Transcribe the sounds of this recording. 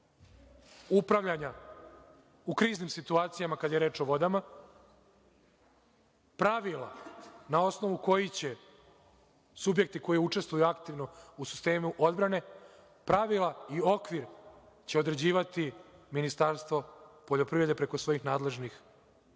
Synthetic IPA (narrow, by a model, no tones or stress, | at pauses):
upɾaʋʎaɲa | ukɾiːznimsit̪uaːt̪sijamakad̪ajeɾe̞ːt͡ʃo̞ʋo̞d̪ama | pɾaʋilˠa̰nao̞sno̞ʋuko̞jit͡ɕe̞ | subje̞k̚t̪iko̞jiut͡ʃe̞st̪ʋujuakt̪iʋno̞usi̥st̪e̞ːmuʔod̪bɾane̞ | pɾaʋilˠaio̞kʋiɾ | t͡ɕe̞o̞d̪ɾe̞d͡ʑiːʋat̪iminist̪aɾst̪vo̞poʎo̞pɾivɾe̞d̪epɾe̞kosʋo̞jixnaːd̪le̞ʒnix